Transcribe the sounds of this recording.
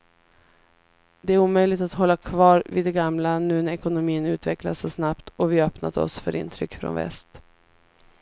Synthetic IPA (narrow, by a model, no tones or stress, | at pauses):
d̪ɛæɾuːmœjlɪɡt̪at̪ɦɔlːakʰvɑːɾvɪd̪ɛɡamlanʉ̟ːnɛkʊnʊmiːənʉ̟ːt̪vɛklasːɔsnapt̪ɔvɪœpna̰d̪əɔ̰sfœ̰ɾʔɪ̰nt̪ʰɾʏkːfɾɔ̰nvɛ̰st̪